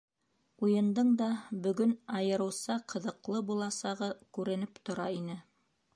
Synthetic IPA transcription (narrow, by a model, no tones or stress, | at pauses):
ujɤ̆nd̪ɤɴd̪ɑbɵ̆ɡɵnɑjɤ̆ɾɤ̆wsɑqɤ̆ðɤ̆qlˠɤbulˠɑsɑʁɤkʉɾɘ̆nɘpt̪ŏɾɑinɘ